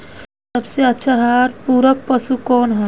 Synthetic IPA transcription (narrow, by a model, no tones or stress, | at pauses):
sɐbseɐtːʃʰaɦaːɾpuːɾək̚pɐsukɔːnɦa